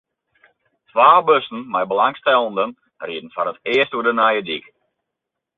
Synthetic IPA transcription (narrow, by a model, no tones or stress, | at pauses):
tʋaːbɵsn̩mɛjbəlaŋstɛlˠəndən | riədn̩fɔnətɪəstuədənajədḭk